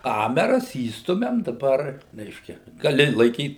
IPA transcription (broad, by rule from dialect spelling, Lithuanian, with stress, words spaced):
ˈkɑːmʲɛrɐs ˈiːstʊmʲɛm dɐˈbɐr ˈrʲɛɪʃʲkʲɛ ɡɐˈlʲɪ lˠɐɪˈkʲiːt